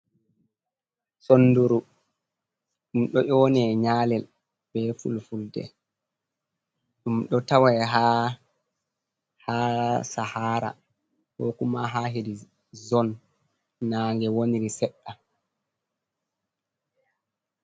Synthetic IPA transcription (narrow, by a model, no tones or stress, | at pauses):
sonːduɾu | ɗumɗɔʔɔnɛɲaːlɛl | b̥ɛfṵlfuldɛ̰ | ɗumɗɔtawajɦaː | haːsahaːɾa̰ | hɔkumaɦaːɦedi | zɔnː | aːŋɡɛwoniɾisɛɗːa